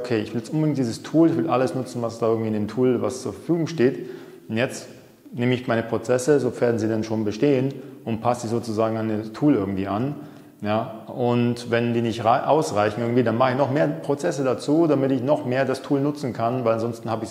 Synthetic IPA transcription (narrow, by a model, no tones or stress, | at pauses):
okʰeːɪçv̥ɪljɛstʔʊnbədɪŋt̚d̥iːzəstʰuːlɪçv̥ɪlʔaləsnʊt͡sn̩vasd̥aːɪɐɡŋ̩tviːndeːmtʰuːlvast͡suːɐfɛɐfyːɡʊŋʃteːt | jɛt͡st | neːməɪçmaɪnəpʁ̥ot͡sɛsəzoːfeːɐdn̩ziːdanʃoːnbəʃteːənʔʊnt̚pʰasz̥iːzoːt͡suzaːɡŋanətʰuːlʔɪɐɡŋ̩tv̥iːan | jaːʔʊntvɛndiːnɪçtʁaɪʔaʊsʁaɪçn̩ɪɡŋ̩tv̥iːdanmaχəɪçnɔχmeːɐpʁ̥ot͡sɛsədat͡suːdamɪtɪçnɔχmeːɐdastʰuːlnʊt͡sn̩kʰanvaɪlanzɔnstn̩haːbəɪç